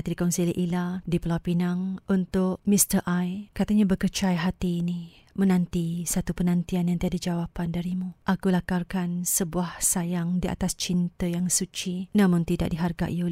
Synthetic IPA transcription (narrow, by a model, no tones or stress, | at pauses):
at̪dikɔnsiliʔiladipəlawpinaŋʔunt̪ʊʔmist̪əʔajkat̪aɲabəkərt͡ʃajɦat̪iːni | mənãnt̪isat̪upənãnt̪ianjaŋt̪iadad͡ʒawapandaɾimũʔakulakarkansəbuahsajaŋdiʔa̰t̪ast͡ʃint̪əjaŋsut͡ʃinamʊŋt̪ida̰ʔ̚diɦarɡa̰ʔiol